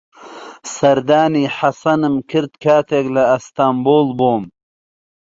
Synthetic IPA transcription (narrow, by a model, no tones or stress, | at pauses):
sɐɾd̪aːniħasɐnɨmkʰɨɾt̪̚kʰaːt̪ʰeɡlɐːst̪aːmboːlboːm